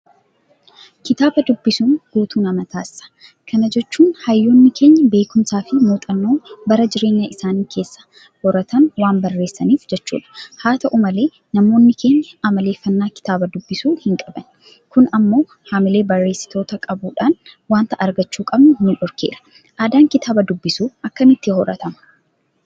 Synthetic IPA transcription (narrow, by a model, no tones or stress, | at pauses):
kɪt̪aːbɐd̪ʊbːɪsuːnɡ̥uːt̪uːnɐmɐt̪aːsːɐ̥ | kʰɐnɐd͡ʒɛt͡ʃːuːnhɐjːo̞ːnːɪkʰe̞ːɲːɐbe̞ːkʊmsaːfɪmuːt̪ʼɐnːo̞ːbɐɾɐd͡ʒɪɾe̞ːɲːɐʔɪsaːniːkʰe̞ːsːɐ̥ | wɔɾɐt̪ɐnwaːnbɐrːe̞ːsːɐniːfd͡ʒɛt͡ʃːṵːᶑɐ̥haːt̪ɐʔʊmɐle̞ː | nɐmo̞ːnːɪkʰe̞ːɲːɐɐmɐle̞ːfɐnːaːkɪ̥t̪aːbɐd̪ʊbːɪsuːhɪŋkʼɐbɐn | kʊnɐmːo̞ː | haːmɪle̞ːbɐrːe̞ːsːɪ̥t̪ʰo̞ːt̪ɐkʼɐbuːᶑaːnwaːnt̪ɐʔɐɾɡɐt͡ʃːuːkʼɐbnʊhnᶑɔɾkeːɾɐ̥ | ʔaːd̪aːŋkɪt̪aːbɐd̪ʊbːɪsuːɐkːɐmɪt̪ːɪhɔɾɐ̰t̪ɐmɐ̥